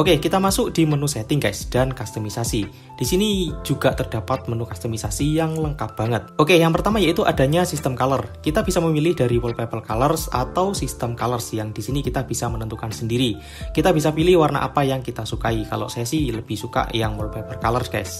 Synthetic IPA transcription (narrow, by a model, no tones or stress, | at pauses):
ʔokekit̪amasʊk̚d̥imənusɛt̪ɪŋkajsd̥ankast̪əmisasi | d̥isinid͡ʒuɡaʔt̪ərdapat̪̚mənukast̪əmisasijaŋləŋkap̚b̥a̤ŋət̪̚ʔokejaŋpərt̪amajait̪uʔada̤ɲasist̪əmkalərkit̪ab̥isaməmilɪhd̥aɾiwəlpapəlkalərsa̰t̪awsist̪əmkalərsjaŋdisinikit̪ab̥isamənənt̪ukansəndiɾi | kit̪abisapilɪhwarna̰ʔa̰pajaŋkit̪asukaika̰lo̰ʔsɛsiləb̥ɪhsuka̰ʔjaŋwɔlpɛpəlkalərskajs